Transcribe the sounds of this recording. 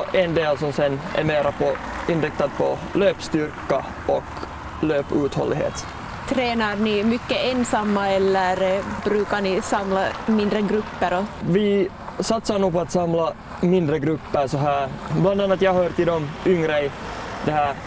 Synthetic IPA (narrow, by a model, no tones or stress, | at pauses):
ʔɛnd̪eːlsɔmsɛnːæ̰meːɾapʰɔ | ɪnɾɪk̚t̪ad̪̚pʰɔløːpst̪ʏɾka | ɔk | løːpʉːt̪hɔ̰lːɪɦḛːt̪ | t̪ʰɾeːnaɾnɪmʏkːəɛnsamːaɛlːəɾbɾʉːkaɳɪsamlamɪnd̪ɾəɡɾʉpːəɾɔvɪ | sat̪saɾɳuːpɔat̪sɑmlɑ | mɪnd̪ɾəɡɾʉpːəɾsɔɦæːɾbland̪ɑnːɑt̪jɑɦœːɾt̪ɪld̪ɔmʏŋːɾɛjd̪ɛɦæːɾ